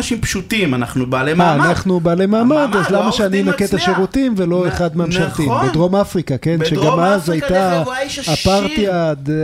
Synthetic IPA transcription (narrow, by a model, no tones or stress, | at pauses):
ʃimpʃutimanaχnubaːleaːnaχnubaːlemaːmad̪azlamaʃeaninaket̪aʃeʁutimvelo̞eχad̪mamʃalt̪imbedʁo̞mafʁikake̞nʃeɡamazajt̪aː | paʁt̪iad̪